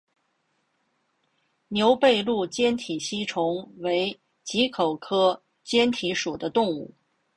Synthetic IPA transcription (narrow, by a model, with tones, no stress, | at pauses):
njo˧˥ʊpe˥˧ɪlu˥˩t͡ɕjɛ˥nt̪ʰi˨˩ɕi˥ʈ͡ʂʰʊ˧˥ŋwe˧˥ɪ | t͡ɕi˧˥kʰo˨˩ʊkʰɤ˥ | t͡ɕjɛ˥nt̪ʰi˧˥ʂu˨˩d̪ə˦t̪ʊ˥˧ŋu˥˩